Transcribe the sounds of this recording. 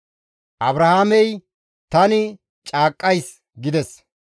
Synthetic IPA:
ʔɐbɾɐhaːmɛj | t̪ɐnɪ | t͡ʃʼaːkʼːɐjs | ɡɪd̪ɛs

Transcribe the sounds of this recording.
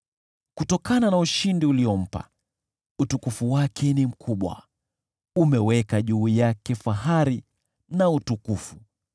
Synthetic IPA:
kutɔkananauʃindiuliɔm̩pa̰ | utukufuwakʰɛnim̩kʰuɓwa̰ | umɛwɛkaʄuijakɛfaɦaɾi | nautukufu

